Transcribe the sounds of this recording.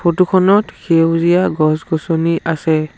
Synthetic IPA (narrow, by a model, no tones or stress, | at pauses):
pʰotukʰɔnɔtxʰewzijaɡɔsɡɔsɔniʔasɛ